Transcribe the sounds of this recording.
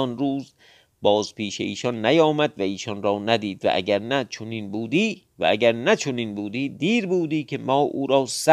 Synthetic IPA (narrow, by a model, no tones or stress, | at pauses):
ɒnɾuːz | bɒːzpiːʃeiːʃɒnːæjɒːmæd̪væiːʃɒnɾɒːnæd̪iːd̪væ̰ʔæ̰ɡæɾnæt͡ʃʰoninbuːd̪iː | væ̰æɡæɾnæt͡ʃʰoninbuːd̪iːd̪iːɾbuːd̪iːkʰemɒːʔuːɾɒːsæ